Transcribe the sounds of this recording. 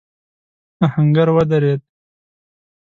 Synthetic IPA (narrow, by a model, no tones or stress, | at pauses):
ahaŋɡaɾwad̪aɾed̪̚